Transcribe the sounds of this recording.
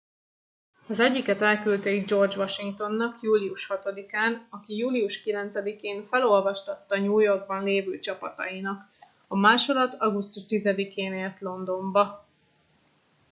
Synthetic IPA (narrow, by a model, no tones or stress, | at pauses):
ɒzɛɟːikɛt̪ɛlkylt̪ɛid͡ʒo̞rd͡ʒʋɒʃiŋkt̪o̞nːɒkjuːliuʃhɒt̪o̞d̪ikaːnɒkijuːlijuʃkilɛnt̪sɛd̪ikeːnfɛlo̞lvɒʃt̪ɒt̪ːɒɲuːjo̞rɡ̚bɒnleːvyːt͡ʃɒpɒt̪ɒ̰jinɒk | ɒmaːʃo̞d̪ɒt̪ɒɡust̪uʃt̪izɛd̪ikeːneːrt̪lo̞nd̪o̞mbɒ